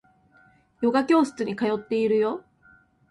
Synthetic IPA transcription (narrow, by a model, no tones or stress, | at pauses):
jo̞ɡakʲo̞ːsɨ̥t͡sɨɲ̟ikajo̞t̪ːe̞iɾɯ̟jo̞